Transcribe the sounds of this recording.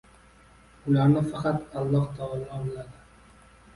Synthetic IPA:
ʊlaɾnɪfɑqɑt̪ɑlˠːɑht̪ʰɑːlˠɒnlad̪ɪ

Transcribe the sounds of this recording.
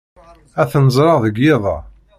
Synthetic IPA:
æθnəzˤɾˤɑʁðəɡːɪðˤɑ̰

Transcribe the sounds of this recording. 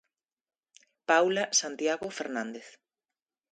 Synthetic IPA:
pawlasant̪jaɣofeɾnãnd̪eθ

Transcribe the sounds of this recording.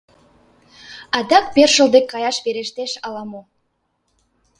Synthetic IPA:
ɑd̪ɑk̚berʒə̆lˠd̪ekʲːɑjɑʃbeɾeʃt̪eʃɑlˠɑmo

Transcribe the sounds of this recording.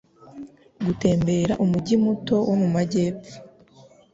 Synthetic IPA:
ɡute̞ːmbe̞ːɾaʔumuɟimuto̞womumaɟe̞ːp͡fu̥

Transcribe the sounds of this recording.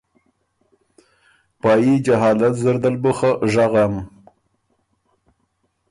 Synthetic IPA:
pɑːjid͡ʒaɦɑːlat̪zəɾd̪albəxəʒaɣam

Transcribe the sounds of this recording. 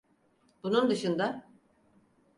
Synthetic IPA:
bunund̪ɯʃɯnd̪a

